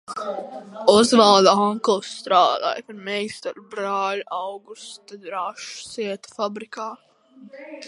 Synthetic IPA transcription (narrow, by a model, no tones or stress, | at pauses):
ɔzvalˠd̪aɔŋkɔlˠst̪ɾaːd̪a̰ːjpaɾmɛjst̪aɾbɾaːlʲawɡust̪d̪ɾaʃsiɛt̪ḁfabɾikaː